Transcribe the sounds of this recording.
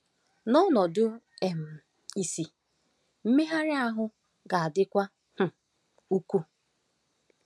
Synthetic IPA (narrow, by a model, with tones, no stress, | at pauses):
nɔ˦nɔ˨dʊ˦e˨m̩˨ | i˨si˨ | m̩˦me˦ɦa˦ɾɪ˦a˦ɦʊ˦ | ɡa˨a˨dɪ˦kʷa˦ | h̩˨ | u˦kʷu˦